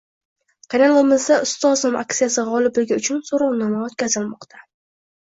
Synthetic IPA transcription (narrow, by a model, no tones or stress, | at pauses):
kʰaɾalˠomɪzd̪aʊst̪ɒznɒmʔa̰kt̪sijasɪʁɒlˠɪblɪɡʲɪʊt͡ʃʰʊnsoɾɒwnamɒot̪̚kʲʰazɪlmɒqt̪ʰa